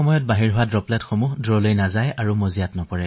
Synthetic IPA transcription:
ɔmɔjɔt̚baɦiɹɦʊwadɹɔplɛtxɔmuɦdɹɔlojnazajaɹumozijatnɔpɔɹɛ

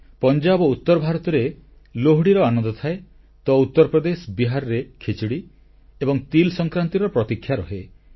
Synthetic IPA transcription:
pɔnd͡ʒabout̪ːɔɾɔbʱaɾɔt̪ɔɾe | loɦɽiɾɔanɔnd̪ɔt̪ʰae | t̪ɔut̪ːɔɾɔpɾɔd̪esbiɦaɾɔɾekʰit͡ʃiɽi | ebɔŋt̪ilsɔŋkɾant̪iɾɔpɾɔt̪ikʰːjaɾɔɦe

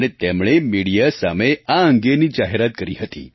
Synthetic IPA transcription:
ɽ̃et̪emɭemiɽijasameaəŋɡeniːd͡ʒaɦeɾat̪̚kəɾḭɦət̪ḭː

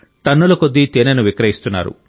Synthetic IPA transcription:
t̪ɐnːulɐkod̪ːit̪enɐnuʋikɾɐɦist̪unːa̰ːɾṵ

